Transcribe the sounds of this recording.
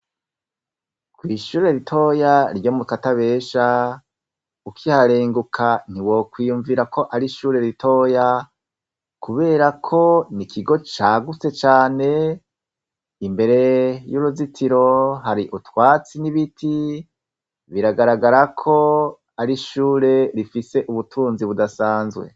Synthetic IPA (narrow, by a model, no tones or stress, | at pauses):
kwiːʃuːɾe̞ɾitʰo̞jaɾɟomukataβe̞ːʃa | ukʰihaɾe̞ːŋɡukʰan̥iwo̞kwiːjuɱviɾako̞ʔaɾiʃuːɾe̞ɾito̞ːja | kuβe̞ːɾakʰo̞nikʰiɡo̞t͡ʃaɡut͡se̞t͡ʃaːne̞ | imbe̞ɾe̞juɾuzitʰiɾo̞ɦaɾiʔutwaːt͡siniβitʰi | βiɾaɡaɾaɡaɾakʰo̞ | aɾiʃuːɾe̞ɾifise̞ʔuβutʰuːnziβudasaːnzɡwe̞̰